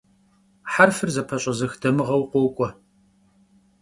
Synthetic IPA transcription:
ħarfɨrzɐpʰɐɕʼɐzɨxdɐmɨʁɐwqʷoːkʷʼɔ

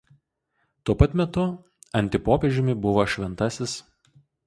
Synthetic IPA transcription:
t̪uɔpɐt̪ʲmʲɛt̪ʊ | ɐnʲt̪ʲɪpoːpʲɛʒʲɪmʲɪbʊʋoːʃʲʋʲɛnˑt̪ɐsʲɪs

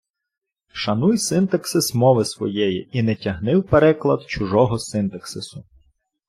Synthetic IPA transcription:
ʃɐnujsɪnt̪ɐksɪsmɔʋɪsʋɔ̰jɛjiinɛtʲɐɦnɪwpeɾɛklˠɐd̪t͡ʃʊʒɔɦɔsɪnt̪ɐksɪsʊ

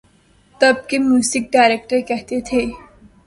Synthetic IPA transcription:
t̪ɐb̚kemjuːsɪk̚ɖaːɾeːk̚ʈəɾkɛɦt̪et̪ʰeː

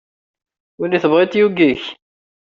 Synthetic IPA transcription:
wilːiθəbʁit̪juɡiç

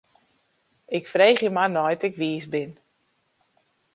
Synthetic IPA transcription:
ɪkfreːχjəmanɔjtɪkʋiːsbɪn

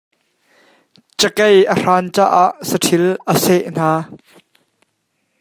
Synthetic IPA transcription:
t͡ʃəkejʔər̥aːnt͡ʃa̰ːʔaːʔsəʈʰilʔəsɛʔn̥aː

